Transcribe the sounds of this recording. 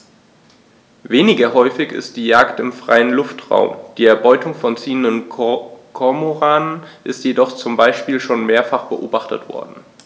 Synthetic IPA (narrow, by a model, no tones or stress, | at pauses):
veːnɪɡɐɦɔʏfɪçɪ̰st̚d̥iːjaːktɪmfʁ̥a̰ɪənlʊftʁ̥a̰ʊmd̥iːɛɐbɔʏtʰʊŋfɔnt͡siːəndən | kʰɔɐmoʁaːnənʔɪstjedɔχt͡sʊmbaɪʃpiːlʃoːnmeːɐfaχb̥əʔoːbaχtə̰tv̥ɔ̰ɐdn̩